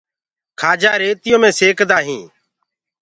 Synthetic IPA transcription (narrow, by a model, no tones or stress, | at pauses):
kʰaːd͡ʒaːɾeːt̪ɪjõːmẽːseːkd̪aːɦĩː